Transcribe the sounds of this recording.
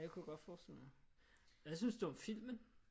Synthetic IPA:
dekʰujɡ̥ɒ̽d̥fɒːsd̥el̰ma | æsynsd̥uɒmfil̰mən

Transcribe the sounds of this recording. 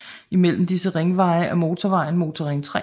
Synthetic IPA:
imel̰m̩d̥isəʁeŋʋɑ̈ɪəʔæmo̝ːt͡sʰɒʋɑ̈ɪn̩mo̝ːt͡sʰɒʁeŋt͡sʰʁɛ

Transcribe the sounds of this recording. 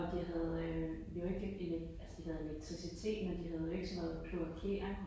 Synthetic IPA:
ɒ̽d̥iɦæð̩ˠ | jo̝e̝ɡ̥əelælsə̥d̥iɦæð̞̩ˠe̝leɡ̥̚t͡sʰʁisit͡sʰe̝̰ːd̥mend̥iɦæð̞̩ˠʋiɐɡ̥sɒmhe̝ð̰ˠpʰluækʰe̝̰ːɐ

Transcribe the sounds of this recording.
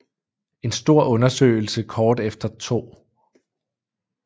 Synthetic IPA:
e̝nsd̥o̝ɐ̰ʔɔ̽nɐsø̰ːɪl̩səkʰɒːd̥efd̥ɐt͡sʰo̝̰ː

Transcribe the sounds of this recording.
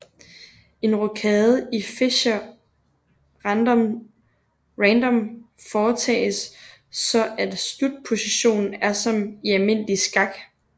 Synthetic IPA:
e̝nʁokʰɛːð̩ˠife̝ɕɐ | ʁɑnd̥ɒm | ʁænd̥ɒ̽m | fɒːt͡sʰɛ̰ːsː | ɒ̽ʔæd̥sd̥ud̥̚pʰo̝siɕo̝̰ːnn̩æɐsɒ̽miælme̝n̰lisɡ̥ɑ̈ɡ̥

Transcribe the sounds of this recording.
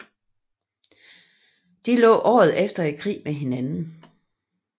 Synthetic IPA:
d̥ilɔ̰̽ːʔɒ̰ːð̞̩ˠefd̥ɐe̥kʰʁḭːmeɦe̝nænn̩

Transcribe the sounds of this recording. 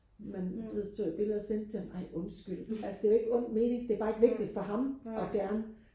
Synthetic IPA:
mænb̥leðˠt͡sʰo̰ːib̥e̝lð̩ˠɐsen̰d̥̚t͡sʰe̝mɑ̈ɪɔ̽nsɡ̥yl̰ælsəd̥e̝e̝ɡ̥əɔ̽n̰d̥me̝ːne̝ŋd̥e̝æɐb̥ɑ̈ːe̝ɡ̥ʋe̝ɡ̥lid̥fɒ̽ɦɑ̈mɒ̽fjæɐnə

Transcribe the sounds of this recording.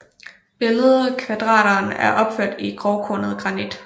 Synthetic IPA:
b̥e̝ləð̩ˠkʰʋæd̥ʁɑ̰̈ːɾɐːnæɐʔɒ̽b̥føɐ̰d̥iɡ̥ʁɒʊkʰo̰nð̞̩ˠɡ̥ʁɑ̈nid̥

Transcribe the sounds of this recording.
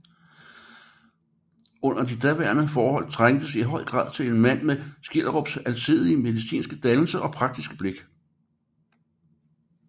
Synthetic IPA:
ɔ̽n̰ɐd̥id̥æʋæɐnəfɒːhɒ̽l̰t͡sʰʁaŋ̰d̥əsiɦɒ̽ɪ̰ɡ̥ʁɑ̰̈ːðˠt͡sʰe̝le̝nmæn̰mesɡ̥el̰ʁob̥sælsiðˠiəme̝ðˠisḭːnsɡ̥əd̥ænl̩səʔɒ̽pʰʁɑ̈ɡ̥̚d̥isɡ̥əb̥le̝ɡ̥

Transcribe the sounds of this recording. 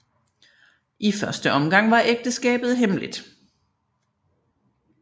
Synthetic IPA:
ʔifɶɐsd̥əʔɒ̽mɡ̥ɑ̈ŋ̰ʋɑ̈ʔeɡ̥̚d̥əsɡ̥ɛ̰ːb̥ð̩ˠɦemlḭd̥

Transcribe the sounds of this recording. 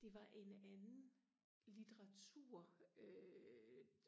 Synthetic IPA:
d̥e̝ʋɑ̈ʔe̝nænn̩ | lit͡sʰeʁɑ̈t͡sʰuɐ̰ø

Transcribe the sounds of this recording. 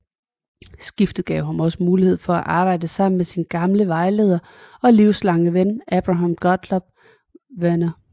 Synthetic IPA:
sɡ̥ifd̥ð̩ˠɡ̥ɛʊhɑmɒ̽səmuːlihe̝ð̞̰ˠfɒ̽æʔɑ̈ːb̥ɑ̈ɪ̰d̥əsɑ̈m̰n̩mesinɡ̥ɑ̈mləʋɑ̈ɪle̝ːð̞ˠɐ | ɒ̽liʊslɑ̈ŋəʋenɛb̥ʁɑ̈ɦɑ̈mɡ̥ɒd̥lɒb̥̚ | ʋenɐ

